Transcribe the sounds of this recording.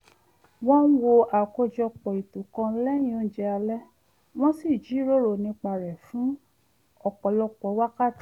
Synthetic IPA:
wɔ̃˦wo˧a˨ko˧d͡ʒɔ˧˨k͡pɔ˨i˨tũ˨kã˧˦lɛ˦jĩ˦õ˦n˦d͡ʒɛ˧a˧lɛ˦ | w̃ɔ̃˦si˦˨d͡ʒi˨˦ɾo˦ɾo˨nĩ˧k͡pa˧ɾɛ˨fũ˨˦ | ɔ˨k͡pɔ˨lɔ˧k͡pɔ˨˦wa˦ka˦˨ti˨

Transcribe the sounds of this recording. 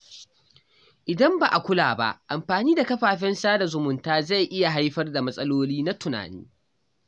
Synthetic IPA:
ʔɪ˨dɐ˦mba˨ʔa˨kʷʊ˦la̰ː˨ba̰˦ʔʔa˨mɸaː˨niː˦da˨kɐ˦ɸaː˨ɸɛ˦nsaː˦da˨zʊ˨mʊ˨ntaː˦za˦˨jʔɪ˦ja˨ɦa˦jɸɐ˦rda˨mɐ˦sʼɐ˦loː˦liː˦na˦tʊ˨na̰ː˨nḭː˦

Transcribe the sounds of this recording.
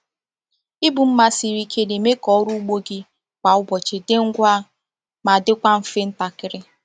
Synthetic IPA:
i˦bu˨m̩˦ma˨si˨ɾi˦kʰe˦de˨me˦kɔ˦ɾu˦ɡ͡bo˦ɡɪ˦ | kʷa˨ʊ˦bɔ˨t͡ʃɪ˨dɪ˦ŋ̩˦ɡʷa˦ | ma˨dɪ˦kʷa˦m̩˦fe˦n̩˦ta˨kɪ˨ɾɪ˦

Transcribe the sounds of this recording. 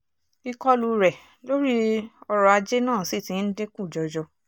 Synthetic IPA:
i˧kɔ˦lu˧ɾɛ˨ | lo˦ɾi˦ɔ˧ɾɔ˧a˧d͡ʒe˦nãː˦˨si˦˨tĩ˨˦n̩˦de˦kũ˦˨d͡ʒɔ˧d͡ʒɔ˧

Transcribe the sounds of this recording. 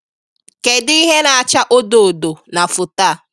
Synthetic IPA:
ke˨di˦ɦe˦na˨a˨t͡ʃa˦ʔo˦do˨o˨do˨na˨fʊ˨ta˦˨˦

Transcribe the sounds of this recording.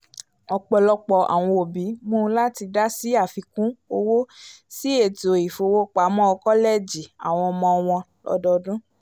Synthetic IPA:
ɔ˧k͡pɔ˧lɔ˦k͡pɔ˧˨a̰˨w̃ɔ̃˧o˨bi˨˦mõ˦la˦ti˧da˦si˦a˦˨fi˧kũ˦o˧wo˦si˦e˦˨to˨i˨fo˨˧˨wo˦k͡pa˨˦mɔ̃˦ɔ˧kɔ˦lɛ˦˨d͡ʒi˨a˨w̃ɔ̃˧mɔ̃˧w̃ɔ̃˧ | lɔ̰˧˦dɔ˧dũ˦

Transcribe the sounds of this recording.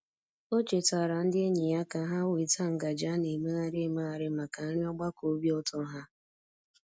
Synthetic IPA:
o˦t͡ʃe˨ta˨ɾa˨n̩˦dɪ˦e˦ɲi˨ja˦ka˨˦ɦa˦wi˨ta˦ŋ̩˨ɡa˨d͡ʒa˦ne˨me˦ɣa˦ɾe˦ma˦a˨ɾɪ˦ma˨ka˨n̩˦ɾɪ˦ɔ˦ɡ͡ba˦ko˦bi˦ɔ˦tɔ˦ɦa˦

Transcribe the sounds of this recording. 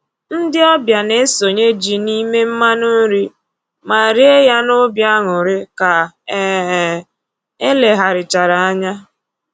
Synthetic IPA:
n̩˦dɪ˦ɔ˦bja˨ne˦so˨ɲe˦d͡ʒi˨ni˦me˦m̩˦ma˦nʊ˦n̩˦ɾi˦ | ma˨ɾi˦e˦ja˦nʊ˦bja˦ŋʊ˨ɾɪ˦ka˨ | ɛ˦ɦ | e˦le˨ɦa˨ɾɪ˨t͡ʃa˨ɾa˨a˦ɲa˦

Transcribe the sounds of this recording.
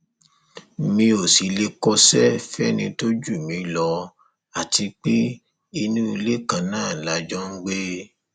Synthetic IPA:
mĩ˧o˨si˨˦le˦kɔ˦sɛ˦fɛ˦nĩ˧to˦d͡ʒu˦˨mĩ˨˦lɔ˧ | a˨ti˧k͡pe˦ | i˧nũ˦i˧le˦kã˨˧˦nãː˦˨la˨˦d͡ʒɔ˦ŋ̩˦ɡ͡be˦

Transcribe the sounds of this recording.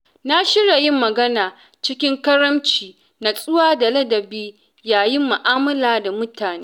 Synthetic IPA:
na˦ʃɪ˦ɽa˨jɪ˦mːɐ˨ɡɐ˦naː˨ | t͡ʃɪ˦kʲɪ˦ŋkɐ˦ɾɐ˦mt͡ʃiː˨ | na˨sʼʊ˦waː˦da˨lɐ˦dɐ˨biː˦ | jaː˨jɪ˦mːʊ˨ʔaː˦mɐ˦laː˨da˨mʊ˦taː˨neː˦

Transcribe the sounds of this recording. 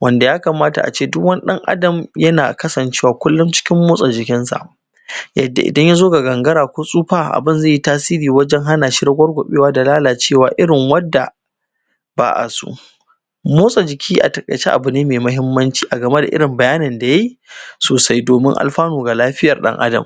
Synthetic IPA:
wʔɐ˦nda˨jaː˦ka˨maː˦ta˨ʔa̰˨t͡ʃeː˦˨dʊ˦kwɐ˦n˦ɗɐ˦ŋʔa̰˦dɐ˨mjɐ˦na̰ː˨kɐ˦sɐ˨nt͡ʃeː˦waː˨kʷʊ˦lːʊ˦mt͡ʃɪ̥˦kʲɪ˦mːoː˦sʼa˨d͡ʒɪ˨kʲɪ˦nsa̰˨ʔ | jɐ̰˨dːa̰˨ʔɪ̰˨dɐ˦ɲja˦zoː˦ɡa˨ɡɐ˨ŋɡɐ˦ɾaː˨kʷoː˦sʼuː˦ɸaː˦ʔa̰˨bɪ˦nzaː˦˨ji˦taː˦siː˦ɾiː˨wɐ˦d͡ʒɛ˦ŋɦa˦naː˨ʃi˦ɾɐ˦ɡʷɐ˦rɡʷʊ˨ɓeː˦waː˦da˨laː˦laː˨t͡ʃeː˦˨waː˨ʔɪ˦ɽɪ˨ŋwɐ˦dːa˨ | ba̰ː˨ʔa̰˨sṵ˦ | moː˦sʼa˨d͡ʒɪ˨kʲʰiː˦ʔa˨tɐ˨kʼɐ̰˨t͡ʃe˦ʔa̰˨bʊ˨neː˦meː˨mɐ˦ɦɪ˦mːɐ˦nt͡ʃi̥ː˨ʔa˨ɡɐ˨me˦da̰˨ʔɪ̰˦ɽɪ˨mbɐ˨jaː˦nɪ˨nda˨ja˦ji˦soː˨sa˦jdoː˨mɪ̰˦ŋʔa̰˨lɸaː˦noː˨ɡa˨laː˦ɸɪ˦jɐ˨rɗɐ̰˦ŋʔa̰˦dɐ̰˨m

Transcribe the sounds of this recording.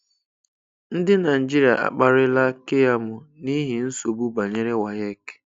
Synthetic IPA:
n̩˦dɪ˦na˨i˨d͡ʒi˦ɾi˨a̰˨ʔa̰˨k͡pa˦ɾɪ˦la˦ke˦ja˦mʊ˨ni˦ɦi˨n̩˦so˨bu˦ba˨ɲe˦ɾe˦wa˨je˦k

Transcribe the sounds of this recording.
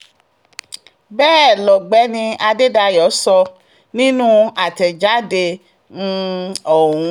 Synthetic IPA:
bɛː˦˨lɔ˨ɡ͡bɛ˨˦nĩ˧a˧de˦da˧jɔ˨˦sɔ˧ | nĩ˦nũ˦a˨tɛ˨d͡ʒa˨˦de˧ | n̩˧ɔ˨ũ˨˦

